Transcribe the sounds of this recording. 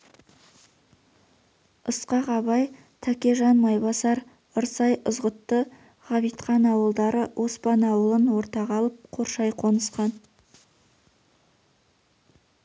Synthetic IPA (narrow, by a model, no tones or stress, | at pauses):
əsqɑʁɑβɑj | t̪ʰækʲeʒɑnmɑjbɑsɑɾ | əɾsɑjəzʁət̪ːə | ʁɑβijt̪qɑnɑwəlˠd̪ɑɾəwʔo̞spɑnɑwəlˠənwo̞ɾt̪ɑʁɑlˠəp̚qʰo̞ɾʃɑjqʰonəsqɑn